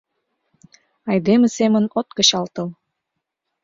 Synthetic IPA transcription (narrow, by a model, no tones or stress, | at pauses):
ɑjd̪emə̆semə̆not̪̚kə̆ɕɑlt̪ɤ̆l